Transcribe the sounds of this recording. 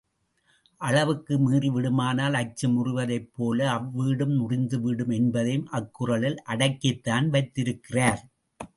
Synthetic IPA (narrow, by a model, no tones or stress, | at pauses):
ʔɐɭɐʋɯkːɯmiːrɪʋɪɽɯmaːnaːlɐt͡ʃːɯmʊrʊʋɐðɐɪpːoːlɐːʋːiːɽɯmnʊrɪnd̪ɯʋɪɽɯmɛnbɐðɐjɯmʔɐkːʊrɐɭɪlʔɐɽɐkːɪt̪ːaːnʋɐɪt̪ːɪɾɯkːɪraːɾ